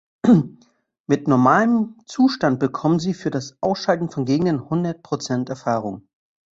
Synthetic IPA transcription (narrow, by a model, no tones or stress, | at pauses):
mɪtnɔɐmaːləmt͡suːʃtant̚b̥əkʰɔmənziːfyːɐdasʔaʊsʃaltn̩fɔnɡeːɡŋ̩dənhʊndɐt̚pʁ̥ot͡sɛntɛɐfaːʁ̞ʊŋ